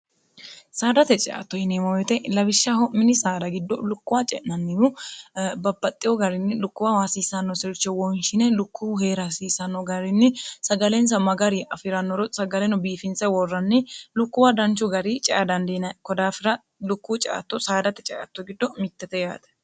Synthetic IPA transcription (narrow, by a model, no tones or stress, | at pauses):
saːd̪ɐt̪ɛt͡ʃʼɛʔa̰t̪ːɔɪnemɔwɛt̪ɛlɐbɪʃːahɔmːɪnɪsaːd̪ɐɡɪd̪ːɔlʊkːʊwaːt͡ʃʼɛ̰ʔnɐnːɪjʊbɐbːɐt̪ʼːɪjɔɡɐɾɪnːɪlʊkːʊwawaːsiːsɐnːɔsɛɾʊt͡ʃːɛwɔnʃɪnɛlʊkːuːheːɾɐsiːsɐnːɔɡɐɾɪnːɪsɐɡɐlɛns̬ɐmɐɡɐɾiʔɐfɪɾɐnːɔɾɔsɐɡɐlɛnɔbiːfɪnsɛwɔrːɐnːɪlʊkːʊwad̪ɐnt͡ʃʊɡɐɾit͡ʃʼɛʔad̪ɐnd̪enɐkɔd̪aːfɪɾɐ | lʊkːuːt͡ʃʼɐ̰ʔɐ̰t̪ːɔsaːd̪ɐt̪ɛt͡ʃʼɛʔɐ̰t̪ːɔɡɪd̪ːɔmɪt̪ːɛt̪ɛja̰ːt̪ɐ̥